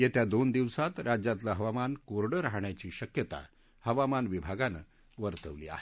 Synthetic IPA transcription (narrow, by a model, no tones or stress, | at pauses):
jet̪jad̪ond̪iʋsat̪ɾad͡ʑat̪laɦəʋamankoɾɽəɾaɦɳjat͡ɕiːɕəkjət̪a̰ | həʋamanʋibʱaɡanə̰ | ʋəɾt̪əʋlḭa̰ɦe